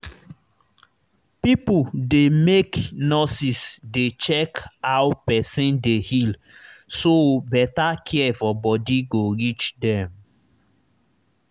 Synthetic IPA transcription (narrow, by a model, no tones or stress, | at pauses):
pipudemeknɔsisdet͡ʃɛkhawpɛsĩndehil | sobɛtakʰiɛfɔbɔdiɡoɾit͡ʃdɛ̃m